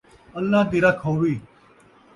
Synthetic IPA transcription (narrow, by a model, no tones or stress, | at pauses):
əlːaːd̪iːɾaːkʰoːʋiː